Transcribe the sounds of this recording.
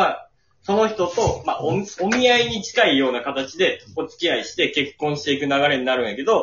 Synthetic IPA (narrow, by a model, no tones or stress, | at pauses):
a | so̞no̞çi̥t̪o̞t̪o̞maʔoomʲiaiɲ̟it͡ɕi̥kaijo̞ːnakat̪at͡ɕid̪e̞o̞t͡sɨ̥kʲiaiɕi̥t̪e̞ke̞kːõɰ̃ɕi̥t̪e̞ikɯ̟naɡaɾe̞ɲ̟inaɾɯ̟̃ɰ̃jake̞d̪o̞